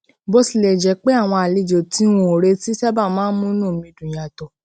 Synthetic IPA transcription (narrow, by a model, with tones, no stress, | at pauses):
bo˧si˦˨le˨d͡ʒɛ˨˦k͡pe˦a˦˨w̃ɔ̃˧a˨li˧d͡ʒo˨ti˨˦wũ˧˨o˨ɾe˧˦ti˦tɛ˦ba˦˨mãː˦n̩˦mũ˦nũ˦˨mĩ˧dũ˨j̃ã˨tɔ˨